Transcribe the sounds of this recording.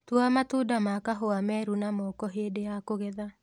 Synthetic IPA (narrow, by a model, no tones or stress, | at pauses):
twamatudamakaɦoamɛɾunamɔkɔɦeːdejakoɣɛða